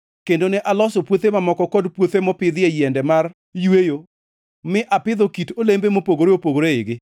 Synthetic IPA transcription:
kendonɛʔalɔsopwot̪emamɔkɔkɔdpwot̪emɔpɪd̪ɪejɛndɛmar | jwejo | mɪʔapɪd̪okitolembemopoɡoɾeopoɡoɾeɪɡɪ

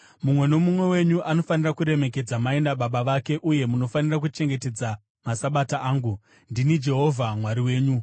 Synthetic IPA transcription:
mumwe̞no̞mumwe̞we̞ɲuʔano̞fanirakuɾe̞me̞k̬e̞d͡zamae̞ndaɓaɓaʋake̞ʔuje̞muno̞fanirak̬ut͡ʃe̞ŋɡe̞te̞d͡za | masaɓataaːŋɡu | ndinid͡ʒe̞ɦo̞vʱamwaɾiwe̞ːɲu

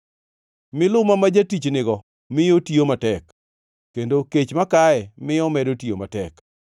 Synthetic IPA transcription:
mɪlʊmamad͡ʒatit͡ʃnɪɡɔ | mɪjotiomatɛk | kːendoket͡ʃmakaɛmɪjɔmɛdotiomatɛk

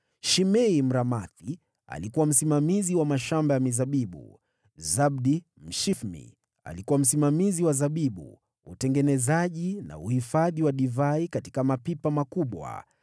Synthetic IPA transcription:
ʃimɛim̩ɾamaθi | a̰likuwam̩simamiziwamaʃambajamizaɓiɓṵ | zab̚ɗi | m̩ʃifmḭ | a̰likuwam̩simamiziwazaɓiɓṵ | utɛŋɡɛnɛzaʄina̰uhifaðiwaɗivaikati̥kamapipamakuɓwa̰

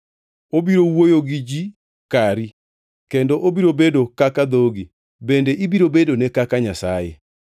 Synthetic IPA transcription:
obiɾowojoɡid͡ʒi | kaɾi | kendoʔobiɾobedokakad̪oɡi | bendeʔibiɾobedonekakaɲasajḛ

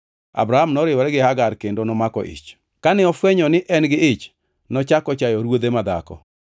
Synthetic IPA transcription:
a̰bɾahamnɔɾɪwɔɾɛɡɪhaɡaɾkendonɔmakɔ̰ʔɪ̰t͡ʃ | kanɪɔfwɛɲɔnɪʔɛnɡɪɪt͡ʃ | nɔt͡ʃakɔt͡ʃajɔɾwod̪emad̪a̰kɔ̰

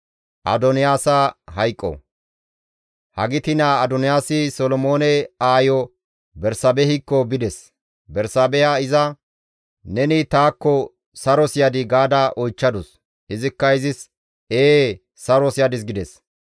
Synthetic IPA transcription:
ʔɐ̰d̪ɔnɪjaːsɐɦɐjkʼːɔ̰ | hɐɡɪt̪ɪnaːd̪ɔnɪjaːsɪsɔlɔmoːnɛaːjɔ | bɛɾsɐbɛhɪkːɔbɪd̪ɛs | bɛɾsaːbɛjaɪzɐ | nɛnɪt̪aːkːɔ | sɐɾɔsɪjɐd̪ɪɡaːd̪ɐʔɔjt͡ʃːɐd̪ɔs | ʔɪzɪkːɐɪzɪs | eː | sɐɾɔsɪjɐd̪ɪsɡɪd̪ɛs

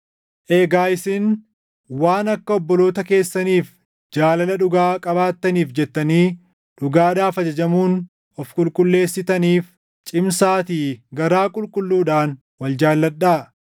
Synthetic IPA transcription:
ʔeːɡaːɪsɪn | waːnɐkːɐɔbːɔlo̞ːt̪ɐke̞ːsːɐniːf | d͡ʒaːlɐlɐᶑʊɡaːkʼɐbaːt̪ːɐniːfd͡ʒɛt̪ːɐniː | ᶑʊɡaːd̪aːfɐd͡ʒɐd͡ʒɐmuːn | ɔfkʼʊlkʼʊlːe̞ːsːɪt̪ɐniːf | t͡ʃʼɪmsaːt̪iːɡɐɾaːkʼʊlkʼʊlːuːᶑaːn | wɐld͡ʒaːlːɐᶑːaː

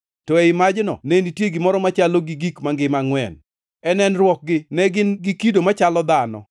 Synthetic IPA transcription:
tɔɛɪmad͡ʒnɔ̰nenitjeɡimɔɾɔmat͡ʃaloɡiɡikmaŋɡɪmaŋwɛ̰n | ɛnɛnrwɔk̚ɡɪnɛɡɪnɡikidomat͡ʃalɔd̪anɔ̰

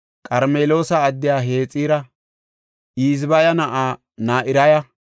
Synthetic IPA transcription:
kʼɐɾmeːlo̞ːsɐːd̪ːɪjaːɦe̞ːt͡sʼiːɾɐ | ʔiːzbɐjɐnɐʔaː | naːʔɪɾɐjɐ

